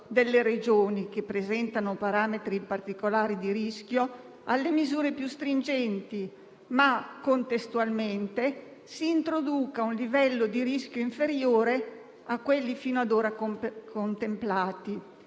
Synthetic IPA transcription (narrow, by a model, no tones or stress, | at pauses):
d̪elːeɾed͡ʒoːnik̟epːɾezɛnt̪anopaɾaːmet̪ɾipart̪ikolaːɾid̪iɾisk̟jo | alːemizuːɾepjust̪ɾind͡ʒɛnt̪i | makːont̪est̪ualment̪esiːnt̪ɾod̪uːkaunlivɛlːod̪iɾiskjoiɱfeɾjoːɾe | akːwelːifiːnoad̪oːɾakkont̪emplaːt̪i